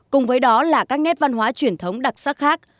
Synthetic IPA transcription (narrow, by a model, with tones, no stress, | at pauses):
kʊ˨˩ŋ͡mvəː˨˦jɗɔ˨˦laː˨˩kaː˦˥k̚nɛ˦˥p̚va˧nɦwaː˨˦t͡ɕwi˧˩ənt̪ʰə˨˦wŋ͡mɗa˨˩sa˦˥k̚xaː˦˥k̚